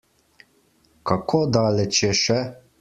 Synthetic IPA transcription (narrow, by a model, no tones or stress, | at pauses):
kakʰoːd̪aːlɛt͡ʃjɛʃɛ